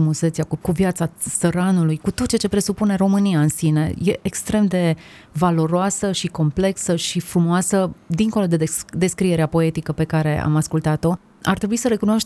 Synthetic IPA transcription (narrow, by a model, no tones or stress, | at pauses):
umuset̪sijakuvjat̪sasəɾanulujkut̪o̞t̪̚t͡ʃeat͡ʃe̞pɾe̞supune̞ro̞mɨniaɨnsine̞̰je̞ʔekst̪ɾe̞md̪e̞ | valo̞ɾoasəʃiko̞mple̞ksəʃifɾumoasəd̪iŋko̞lo̞d̪ed̪e̞skɾie̞ɾeapo̞e̞t̪ikəpe̞kaɾe̞a̰maskult̪at̪o̞ | a̰rt̪ɾebuisəɾe̞kunooʃt